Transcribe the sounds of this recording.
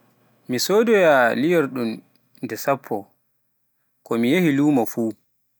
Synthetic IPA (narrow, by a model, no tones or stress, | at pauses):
misoːdɔjalijɔɾɗum | ndɛsapʰːɔ | kɔmijehiluːmafuː